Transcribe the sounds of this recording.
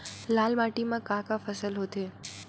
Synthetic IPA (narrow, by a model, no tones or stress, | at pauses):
laːlmaʈimãkãkafʰəsəlɦot̪ʰe